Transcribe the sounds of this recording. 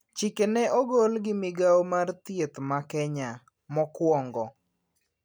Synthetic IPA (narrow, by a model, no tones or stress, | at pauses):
t͡ʃikenɛʔɔɡolɡɪmɪɡaomart̪jet̪makɛɲa | mɔkwɔŋɡɔ